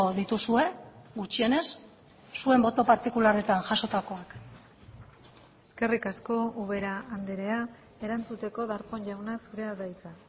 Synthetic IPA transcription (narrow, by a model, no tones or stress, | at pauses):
ðit̪usue̞ɡut͡ʃie̞ne̞sː | ue̞mbo̞t̪o̞paɾt̪ikulare̞t̪anʝaso̞t̪ako̞ak | e̞ske̞rikasko̞uβe̞ɾaːnd̪eɾe̞a | e̞ɾant͡sut̪e̞ko̞ðaɾpo̞ɲʝawnasuɾe̞aðajt͡sa